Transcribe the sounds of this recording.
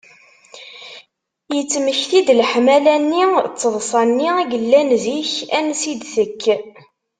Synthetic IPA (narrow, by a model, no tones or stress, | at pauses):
jət͡sːməçθid̪lħmælænːit͡sːəðˤsˤɑnːiæʝəlːænziçænsid̪θəkː